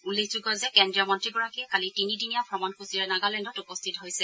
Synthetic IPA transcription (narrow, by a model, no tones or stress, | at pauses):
ulːekʰzuɡɔzɛkɛndɹijamɔntɹiɡɔɹakikalitinidinijapʰɹɔmɔnkʰusiɹɛnaɡalɛndɔtupɔst̪ʰitɦojsɛ